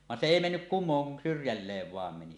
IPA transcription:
ʋɑn se eˑi menːyk kumˑoːŋ kun syrjælːeːʋ ʋɑˑem meni

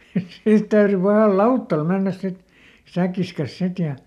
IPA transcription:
niː siːt tæyry pɑhɑˑl lɑutːɑl menːæs sit sækːis kɑs sit jɑ

